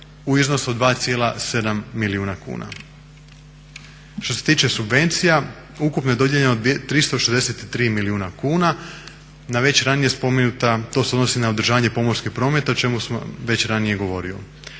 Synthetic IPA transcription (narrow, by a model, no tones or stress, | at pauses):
uizno̞suod̪ʋaːt̪sije̞ːlase̞d̪amːiliuːnakṵːna̰ | ʃt̪o̞se̞t̪iːt͡ʃe̞subʋe̞nt̪sija | ukupnojed̪o̞d̪jeʎenod̪ʋjet̪ːɾist̪oʃezd̪ese̞t̪it̪ɾiːmiliuːnakuːna | naʋe̞t͡ɕɾanije̞spo̞menut̪at̪o̞seo̞d̪no̞sinaod̪ɾ̩ʒaːʋaɲe̞po̞mo̞ɾskixpɾo̞ːme̞t̪ao̞t͡ʃe̞musamʋe̞t͡ɕɾanije̞ɡo̞ʋo̞ɾio̰